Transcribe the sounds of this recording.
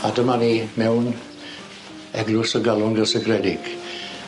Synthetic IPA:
adəmanimɛwn | ɛɡlʊsɔɡalˠʊnɡəsɛɡrɛdɪɡ̥

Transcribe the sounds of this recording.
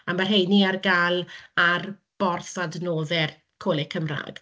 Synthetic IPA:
amarɦejniarɡalˠarb̥ɔrθadnoːðɛr | kʰoːlˠɛkʰəmra̰ːɡ̥

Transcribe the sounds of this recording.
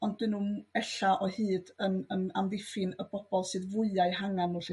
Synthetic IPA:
ɔnd̚dɪnːuɛɬaʔɔhɨːdənəna̰mðɪfɪnəb̥ɔb̥ɔlˠsɨːðvʊɨaɨɦaŋanːuːɬɨ

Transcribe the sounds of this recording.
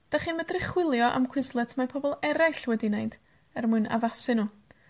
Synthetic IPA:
d̥aχiːnmədrɪχwɪlˠjɔʔa̰mkʰw̥ɪzlˠɛtʰmapʰɔbɔlˠɛɾɛɬwɛdinejnd̥ | ɛrmʊna̰vasɨnuː

